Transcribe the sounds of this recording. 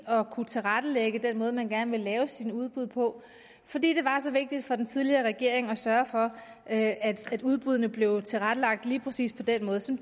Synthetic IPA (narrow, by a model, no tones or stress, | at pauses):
ɒ̽kʰut͡sʰe̝lʁad̥əleɡ̥əd̥enmɔːð̞ˠmænɡ̥æɐnəʋe̝lɛːʊsinuð̞ˠb̥uð̞̰ˠpʰɒ̽ | fɒ̽d̥ḭːd̥e̝ʋɑ̈sɒ̽ʋe̝ɡ̥̚d̥id̥fɒ̽d̥ent͡sʰiðˠliɐʁɛɡ̥e̝ɐ̰e̝ŋɒsɶɐfɒ̽ | øʔæd̥æd̥uð̞ˠb̥uð̰ˠɐnəb̥le̝ʊt͡sʰe̝lʁad̥əlɑ̈ɡ̥̚d̥liːpʰʁɛsḭːspʰɒ̽d̥enmɔ̽ːð̞ˠsɒ̽m